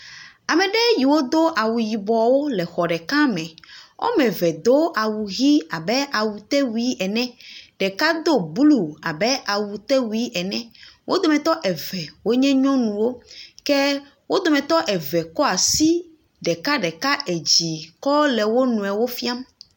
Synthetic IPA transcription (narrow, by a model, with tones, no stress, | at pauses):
a˨mɛ̃˨ɖɛ˦ji˨wo˦d̪o˦ʔa˨wu˨ji˨bɔ˨wo˦lɛ˨xɔ˨ɖɛ˨ka˦mɛ̃˨o̰˦mɛ̃˨vɛ˨d̪o˦ʔa˨wu˨ɣi˦a˨bɛ˦ʔa˨wu˨t̪ɛ˦wi˦ɛ˨nɛ̃˦ɖɛ˨ka˦d̪o˦bu˦lu˨a˨bɛ˦ʔa˨wu˨t̪ɛ˦wu˦i˦ɛ˨nɛ̃˦wʔo˦d̪o˨mɛ̃˨t̪ɔ˦ʔɛ˨vɛ˨wo˦ɲɛ̃˦ɲɔ̃˦nũ˨wo˦kɛ˦ | wo˦d̪o˨mɛ̃˨t̪ɔ˦ʔɛ˨vɛ˨kɔ˦a˨si˦ | ɖɛ˨ka˦ɖɛ˨ka˦ʔe˨d͡ʑi˨kɔ˦lɛ˨wo˦nũ˨ɛ˨wo˦fi˦a˦m